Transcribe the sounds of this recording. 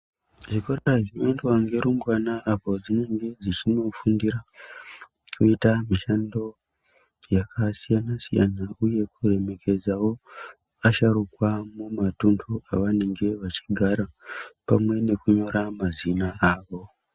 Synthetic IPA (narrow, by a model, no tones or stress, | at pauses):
ʐikoɾeraʒimendwaŋɡe̞ɾumbwanaʔːpo̞d͡zine̞ŋɡe̞d͡zit͡ʃino̞fundiɾa | kʰuitamiʃando̞ | jakʰasijanasija̰nauje̞kure̞me̞kʰe̞d͡zawo̞ | aʃaɾukwamumatundʰua̰ʋane̞ŋɡe̞ʋat͡ʃi̥ɡʱaɾapamwe̞ne̞kuɲo̞ɾamazinaʔaːʋo̞